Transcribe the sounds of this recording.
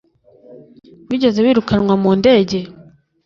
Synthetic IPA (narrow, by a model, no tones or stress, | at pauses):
βiːɟe̞ze̞βiːɾukanŋwamuːnde̞ːɟe̞